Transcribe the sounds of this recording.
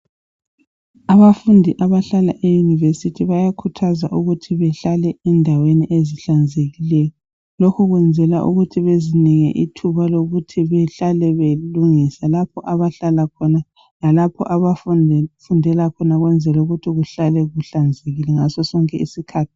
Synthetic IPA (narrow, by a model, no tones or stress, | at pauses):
aβafundʱiʔaβaɬala̰ʔɛjunivesitʰiβajakʰutʰazaʔuɣutʰiβɛɬalɛɛndʱaweniʔeziɬand͡zʱeɣilɛjɔ | lokʰuɣwɛnd͡zʱɛlaʔuɣutʰiβeziniŋɛ̰ʔitʰuβaloɣutʰiβɛɬalɛβeluŋisalapʰɔʔaβaɬalakʰɔna | lalapʰɔ̰ʔaβafunʱfundʱɛlakʰɔnaɣwɛnd͡zʱɛluɣutʰiɣuɬalɛɣuɬand͡zʱeɣilɛŋasɔsɔŋkʼɛisikʰaːtʰi̥